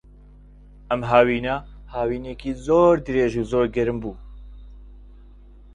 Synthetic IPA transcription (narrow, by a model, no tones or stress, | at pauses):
ɛmɦaːwiːna | haːwiːnekiːzoːɾd̪ɨɾeːʒuːzoːɾɡɛɾɨmbuː